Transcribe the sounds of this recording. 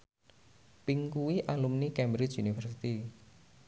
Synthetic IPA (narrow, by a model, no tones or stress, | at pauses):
piŋkuwiʔalumnikɛmbɾɪt͡ʃunifərsit̪i